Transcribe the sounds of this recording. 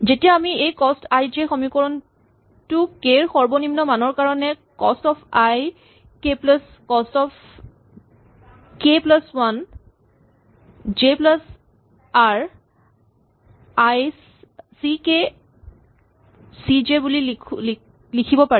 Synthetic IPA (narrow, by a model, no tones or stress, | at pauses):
zetijaːmiejkɔstajd͡ʒexɔmikɔɹɔn | tʊkeɹxɔɹbɔnimnɔmanɔɹkaɹɔnɛ | kɔstɔpʰaj | keplas | kɔstɔpʰ | keplaswan | d͡ʒeplas | aɹ | ajs | sike | sid͡ʒebulilikʰl | likʰibɔpaɹi